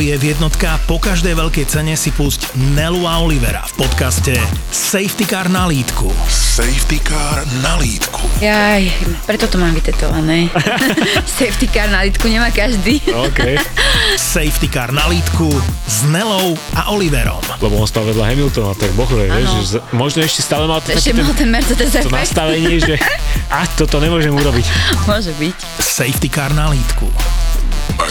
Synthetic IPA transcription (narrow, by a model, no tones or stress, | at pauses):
jɛvjɛd̪nɔt̪kapɔkaʒd̪ɛjʋɛʎkɛjt͡sɛɲɛsipuzcnɛluaɔliʋɛ̰ɾa̰fpɔt̪kascɛsɛjft̪ikaːɾnaliːt̪kṵsɛjft̪ikaːɾnaliːt̪kʰu̥jajpɾɛt̪ɔt̪ɔmaːmʋit̪ɛt̪ɔ̰ʋanɛː | sɛjft̪ikaːɾnaliːt̪kuɲɛmaːkaʒd̪iːɔkɛjsɛjft̪ikaːɾnaliːt̪kuznɛlɔʊ | aʔɔliʋɛ̰ɾɔ̰mlɛbɔɔnspaʋɛd̪laɦɛmilt̪ɔnat̪ɛɡbɔɣʋɛɛʒʒɛzmɔʒnɔɛʃcɛst̪aːlɛmalt̪ɔɛaʃɛmalt̪ɛnmɛɾt͡sɛd̪ɛzɛɔnast̪aʋɛɲɪɛʒɛʔat̪ɔt̪ɔɲɛmʊɔʒɛmuɾɔbicmʊɔʒɛbic | sɛjft̪ikaːɾnaliːt̪kṵ